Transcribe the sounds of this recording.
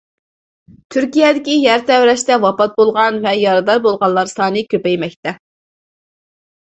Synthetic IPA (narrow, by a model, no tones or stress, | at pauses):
t̪ʰyɾkʲijɛd̪ɪkʲijæɾt̪ʰɛwɾɛʃt̪ɛwɑpɑt̪̚bolˠʁɑnvɛjɑɾɨd̪ɑɾbolˠʁɑlˠːɑɾsɑːnɨkʲøpɛjmɛk̚ʲt̪ʰɛ